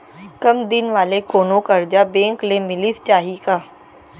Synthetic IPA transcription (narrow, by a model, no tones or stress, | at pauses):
kɐmd̪ɪnʋaːlekoːnõkɐɾd͡ʒabẽːŋklemɪlist͡ʃaːɦikaː